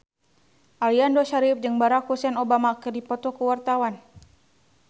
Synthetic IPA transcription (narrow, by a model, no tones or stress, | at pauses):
ʔaliandɔʃaɾip̚d͡ʒɨŋbaɾak̚husanɔbamakərdipɔt̪ɔkuwart̪awan